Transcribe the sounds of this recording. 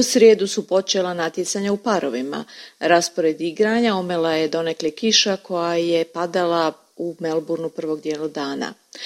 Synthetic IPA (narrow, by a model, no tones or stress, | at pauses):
usɾjeːd̪usupo̞t͡ʃe̞lanat̪jet̪saɲaupaɾo̞ʋima̰ɾaspoɾed̪iɡɾaɲaumelaje̞d̪o̞neklekiʃakʰo̞jajepad̪alˠa | umelbuɾnupr̩ʋo̞ɡd̪jeːlad̪aːna̰